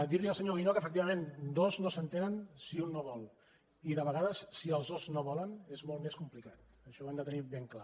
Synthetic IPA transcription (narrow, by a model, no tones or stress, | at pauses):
d̪iɾliəlˠsəɲoinokəfək̚t̪iβəmend̪oznosənt̪enənsiunːoβɔlˠ | iðəβəɣaðəsːiəlˠzðoznoβɔlənezmolˠt̪meskumplikat̪̚ | əʃɔeɛmd̪ət̪əniβeŋkla